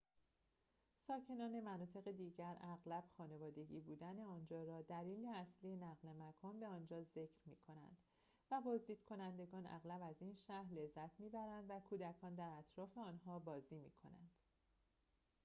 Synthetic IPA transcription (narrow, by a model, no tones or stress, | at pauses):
sɒːcʰe̞nɒːne̞mænɒːt̪ʰe̞ɣed̪iːɟæɾæɣlæb̥xɒːne̞vɒːd̪e̞ɟḭːbuːd̪æne̞ɒːnd͡ʒɒːɾɒːd̪æliːleæslije̞næɣle̞mækʰɒːnbe̞ɒːnd͡ʒɒːze̞cʰɾmiːkʰo̞næ̰nd̪̥ | væbɒːzd̪iːd̪̥kʰo̞nænd̪e̞ɡɒːnæ̰ɣlæbæziːnʃæhɾle̞zːæt̪ʰmiːbæɾænd̪vækʰuːd̪ækʰɒːnd̪æɾæt̪ʰɾɒːfe̞ɒːnɦɒːbɒːziːmiːkʰo̞̰næ̰nd̪̥